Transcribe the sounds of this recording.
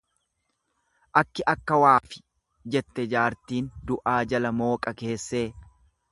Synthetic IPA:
ʔɐkːɪʔɐkːɐwaːfɪ̥ | d͡ʒɛt̪ːɛd͡ʒaːɾt̪iːnd̪ʊʔaːd͡ʒɐlɐmo̞ːkʼɐke̞ːsːe̞ː

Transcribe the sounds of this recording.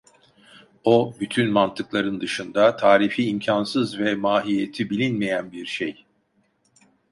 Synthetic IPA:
obyt̪ʰynmant̪ʰɯklˠaɾɯnd̪ɯʃɯnd̪at̪ʰaːɾifiːmcʰansɯzvɛmaːɦijet̪ʰibilʲinmejænbiɾʃej

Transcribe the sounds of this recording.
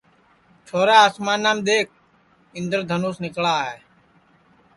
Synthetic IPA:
t͡ʃʰoːɾaːaːsmaːnːaːmɗ̪eːk̚ʰ | ɪ̃nd̪əɾd̪ʱənuːsnɪkɭaːɦeː

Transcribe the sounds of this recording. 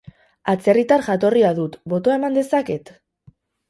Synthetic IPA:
at͡se̞rit̪aɾʝat̪̬o̞riaðut̪bo̞t̪oaemand̪e̞sake̞t̪

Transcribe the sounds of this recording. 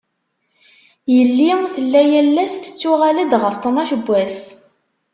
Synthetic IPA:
jəlːiθəlːæjælːæst̪ə̥t͡sːʊʁæləd̪ʁəft̪ˤnɑʃəbʷːæs

